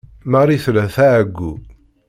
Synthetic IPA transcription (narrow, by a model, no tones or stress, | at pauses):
maɾˤiθlæθaʕɡːṵ